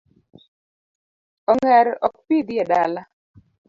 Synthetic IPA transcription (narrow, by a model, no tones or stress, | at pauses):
ɔŋɛɾɔ̰k̚pid̪jɛdala